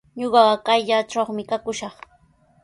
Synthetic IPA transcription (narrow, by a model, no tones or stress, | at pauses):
ɲoɢɑɢɑkajʎat͡ʃaχmɪkakʊʃɑχ